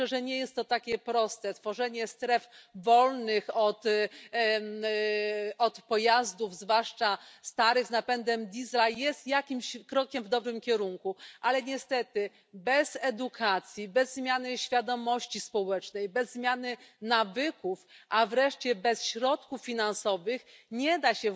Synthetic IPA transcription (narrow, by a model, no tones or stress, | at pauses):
ɛʐɛɲɛjɛst̪ːɔt̪akʲɛpɾɔst̪ɛt̪fɔʐɛɲɛst̪ɾɛfvɔlnɘxɔt̪ | ɔt̪pɔjazd̪uvzvwaʂt͡ʂast̪aɾɘɣznapɛnd̪ɛmd̪ʲizlajɛst̪jakʲimɕkɾɔkʲɛmvd̪ɔbɾɘmkʲɛɾuŋkuʔalɛɲɛst̪ɛt̪ɘ | bɛzɛd̪ukʰat̪sʲjibɛzːmʲjanɘɕfʲjad̪ɔmɔɕt͡ɕispɔwɛt͡ʂnɛjbɛzːmʲjanɘnavɘkufʔavɾɛʂt͡ɕɛbɛsɕɾɔt̪kufːʲinansɔvɘxɲɛd̪aɕɛ